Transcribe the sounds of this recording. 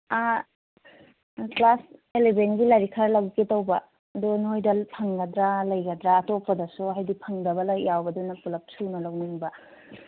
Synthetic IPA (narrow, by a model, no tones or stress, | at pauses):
a | klaselebenɡilaɾikʰaɾlɐwketɐwbɐː | dunojdɐlpʰɐŋɡɐdɾalɐjɡɐdɾaːtopːɐdɐsuɦajdipʰɐŋdɐbɐlɐjawbɐdunɐpulɐp̚sunɐlɐwniŋbɐ